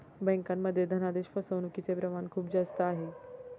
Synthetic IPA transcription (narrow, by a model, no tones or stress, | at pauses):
bɛ̃ŋkamːəd̪ʱːjed̪ʱənad̪eɕfəsəʋnukit͡sepɾəmankʰuːpd͡zast̪əaɦe